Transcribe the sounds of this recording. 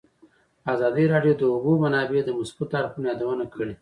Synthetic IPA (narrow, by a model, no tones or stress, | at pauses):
azɑd̪iɾɑɖjod̪əʊɡumanɑbed̪əmʊsbut̪aɾxunjɑd̪awənakʰəɽe